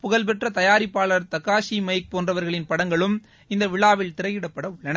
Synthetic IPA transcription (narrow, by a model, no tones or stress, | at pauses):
pʊɣɐlp̬ɛʈrɐt̪ɐjaːɾɪpːaːɭɐɾt̪ɐkːaːsimɐjk̚poːndrɐʋɐɾɣɐɭɪnpɐɽɐŋɡɐɭɯm | ɪnd̪ɐʋɪɭaːʋɪlt̪ɪɾɐjɪɽɐpːɐɽɐʊɭːɐnɐ